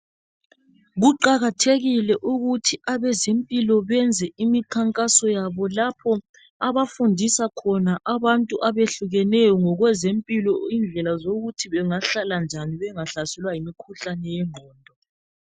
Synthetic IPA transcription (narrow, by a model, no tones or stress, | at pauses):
ɣuǃaɣatʰeɣilɛʔuɣutʰiaβɛzempʼilɔβɛnd͡zʱɛimikʰaŋkʼasɔjaβɔlapʰɔ | aβafundʱisakʰɔnaʔaβantʼuʔaβeɬuɣɛnɛjɔŋɔɣwɛzempʼilɔind͡ɮʱɛlazoɣutʰiβɛŋaɬaland͡ʒʱaniβɛŋaɬasɛlwajimikʰuɬanɛjɛŋ͡ǃʱɔːndʱɔ